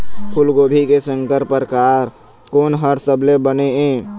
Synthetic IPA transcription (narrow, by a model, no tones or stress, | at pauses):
kʰʊlɡoːbʱikesə̃ŋkəɾpəɾkaːɾ | koːnɦəɾsəblebəneɦẽː